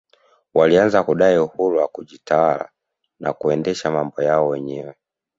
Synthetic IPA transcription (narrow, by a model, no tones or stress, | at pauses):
walianzakuɗaiuhuɾuwakuʄitawala̰ | na̰kuɛndɛʃamambɔjaɔwɛɲɛwɛ